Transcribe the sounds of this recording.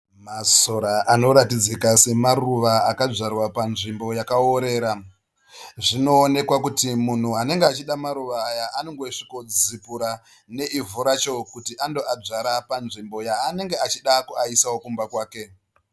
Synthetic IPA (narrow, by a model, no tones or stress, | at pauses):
maso̞ɾaʔano̞ɾatid͡zekase̞maruʋaaːkaʐarwapanʐimbo̞jakaoɾe̞ːɾa | ʐino̞ːne̞kwakutimun̤uɦane̞ŋɡeat͡ʃiɗamaɾuʋaːjaano̞ŋɡoʂiko̞d͡zipuɾa | ne̞ivuɾat͡ʃo̞kutiʔando̞ad͡zaɾapanʐimbo̞jaːne̞ŋɡeat͡ʃiɗakuaisawo̞kumbakwaːke̞